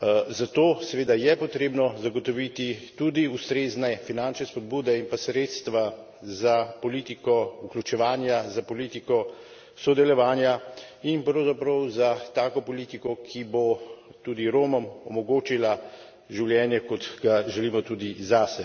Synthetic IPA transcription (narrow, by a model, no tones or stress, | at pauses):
zat̪oːsɛʋeːd̪ajɛpɔt̪ɾeːbnɔzaɡɔt̪ɔʋit̪it̪ud̪iust̪ɾeːznɛfinant͡ʃnɛspɔd̪̚buːd̪ɛinpasɾeːt̪st̪ʋa | zapɔliːt̪ikɔuklʲut͡ʃɛʋaːnjazapɔliːt̪ikɔ | sɔd̪ɛlɔʋaːnjainpɾɔwzapɾɔwzat̪aːkɔpɔliːt̪ikɔkʰibot̪uːd̪iɾoːmɔmɔ̰mɔɡoːt͡ʃila | ʒiwljɛnjɛkɔd̪ɡaʒɛliːmɔt̪uːd̪izasɛ